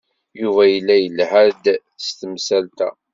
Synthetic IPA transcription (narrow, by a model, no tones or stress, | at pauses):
juvæjəlːæjəlhæd̪ | st̪əmsælt̪æ̰